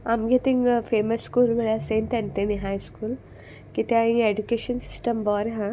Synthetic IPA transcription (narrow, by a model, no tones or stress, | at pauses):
ɐmɡet̪iŋpʰeːmɐsːkuːlmɐɭjaseːnt̪ɐnt̪eniɦajskuːl | kit̪eaĩŋeɖukeːʃɐnsi̥sʈɐmbɔːɾɦã